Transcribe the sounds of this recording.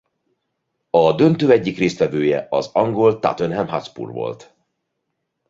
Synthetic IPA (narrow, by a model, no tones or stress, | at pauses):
ɒd̪ø̞nt̪øːɛɟːikreːst̪vʋɛvøːjɛ̰ɒzɒŋɡo̞lt̪a̰t̪ønɦɛmɦɒt̪spṵrvo̞̰lt̪